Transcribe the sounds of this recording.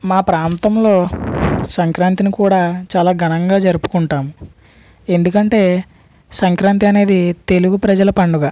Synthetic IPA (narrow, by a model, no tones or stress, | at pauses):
maːpɾaːnt̪ɐmlo̞ːsɐŋkɾaːnt̪inikuːɽaːt͡ʃaːlaːɡʱɐnɐŋɡaːd͡ʒɐɾupu̥kuɳʈaːmu | e̞nd̪ukɐɳʈe̞ː | sɐŋkɾaːnt̪iɐne̞ːd̪it̪e̞luɡupɾɐd͡ʒɐlɐpɐɳɖuɡaː